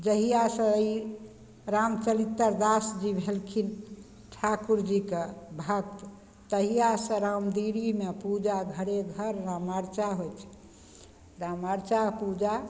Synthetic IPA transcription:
d͡ʒəɦijasə̃i | ɾamt͡ʃəlit̪ːəɾd̪asd͡ʒibʱelkʰin | ʈʰakuɾd͡ʒikebʱəkt̪ | t̪əɦijasə̃ɾamd̪iɽimepud͡ʒaɡʱəɽeɡʱəɾːamaɾt͡ʃaɦojt͡ʃʰ | ɾamaɾt͡ʃapud͡ʒa

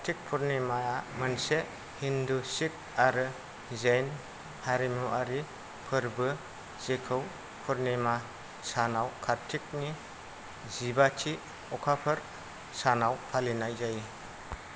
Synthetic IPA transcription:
kʰatʰik̚pʰuɾnemaamɯnse | hindusik̚aɾɯ | zejn | haɾimuʔaɾi | pʰɯɾbɯ | z̥ekʰɯw | pʰuɾnema | sanawkʰaɾtʰik̚ni | zibatʰi | ɔkʰapʰɯɾ | sanawpʰalinajzaji

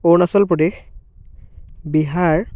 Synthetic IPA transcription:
onasɔlpɹɔdex | biɦaɹ

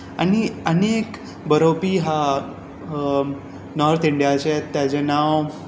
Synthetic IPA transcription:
a̰ñiənek | bəɾowpiːɦa | nɔɾt̪iɳɖijat͡ɕet̪ːjat͡ɕenaw

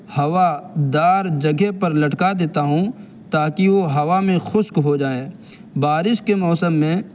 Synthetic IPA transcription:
hɐʋad̪aːɾd͡ʒɐɡʱepɐɾlɐʈkad̪eːt̪aɦũ | t̪aːkiʋoɦɐʋamẽxʊʃkɦod͡ʒaːẽː | baːɾɪʃkemɔːsəmːẽ

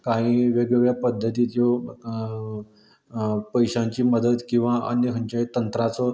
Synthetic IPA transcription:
kaɦiʋeɡjeɡɭjapəd̪ʱːət̪iːt̪jɔ | pəjɕãɲt͡ɕiːməd̪əd̪kĩw̃ʋaʔə̰njəɦəɲt͡ɕat̪ənt̪ɾat͡sɔ

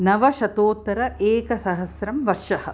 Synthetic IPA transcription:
nɐʋɐʃɐt̪oːt̪ːɐɾɐʔeːkɐsɐɦɐsɾɐmʋɐɾʃɐhɐ̆

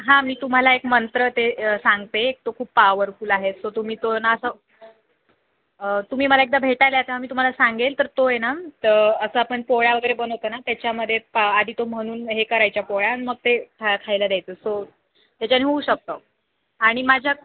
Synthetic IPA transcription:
ɦãmiːt̪um̤alaekmənt̪ɾət̪esaŋɡt̪eːk̚t̪okʰuːpːaʋəɾfuːlaɦet̪sot̪um̤iːt̪onaəsə | ət̪um̤iːməlaek̚d̪abʱeʈajljat̪eɦamiːt̪um̤alasaŋɡelt̪əɾt̪ojenat̪əɾəsəːapəɳpoɭjaʋəɡəjɾebənɦot̪əːnat̪jat͡ɕjaməd̪ʱːjepaad̪ʱiːt̪om̤əɽ̃uːnɦekəɾajt͡ɕjapoɭanməɡ̚t̪ekʰakʰajlad̪jat̪əːso | t̪jat͡ɕjaniɦouɕək̚t̪o | aɽ̃imad͡ʑʱja

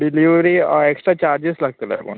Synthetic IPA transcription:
ɖiliʋɾieksʈɾat͡ɕaɾd͡ʑeslaɡ̚t̪ilḛpo̰n

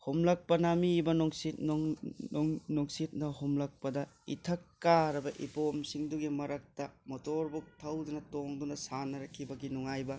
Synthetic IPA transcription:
homlɐk̚pɐnamibɐnoŋsit̚n | ŋnoŋsit̚nɐɦomlɐk̚pɐdɐḭtʰɐkːaɾɐbɐʔḭpomsiŋduɡimɐɾɐk̚tɐmotoɾbuk̚tʰɐwdunɐtoŋdunɐsanɐɾɐkʰːibɐɡinuŋajbɐ

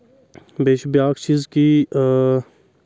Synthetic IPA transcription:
beːʃbjaːkt͡ʃizki

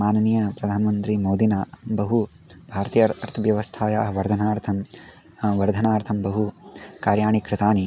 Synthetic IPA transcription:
maːnɐniːjɐpɾɐd̪ʱaːnɐmɐnt̪ɾimoːd̪inaːbɐɦu | bʱaːɾɐt̪ijɐɐɾt̪ʰɐʋjɐʋɐst̪ʰaːjaːɦɐʋɐɾd̪ʱɐnaːɾt̪ʰɐm | ʋɐɾd̪ʱɐnaːɾt̪ʰɐmbɐɦukaːɾjaːɳikɾɪt̪aːni

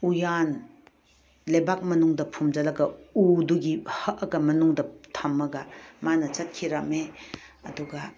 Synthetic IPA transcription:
ujan | lebak̚mɐnuŋdɐpʰumd͡ʒɐlɐɡɐuduɡihɐʔɐɡɐmɐnuŋdɐtʰɐmːɐɡɐmanɐt͡ʃɐt̚kʰiɾɐmeɐduɡɐ

